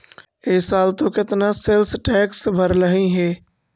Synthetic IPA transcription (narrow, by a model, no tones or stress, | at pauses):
esaːlt̪õːkɪt̪nãselsʈɛːksbʱəɾləɦĩɦeː